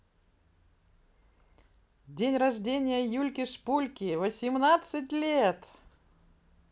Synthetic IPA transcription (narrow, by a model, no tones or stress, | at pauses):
dʲenʲrɐʐdʲenʲɪjəjulʲkʲɪʂpulʲkʲɪvəsʲɪmnat̪sɨtʲlʲet̪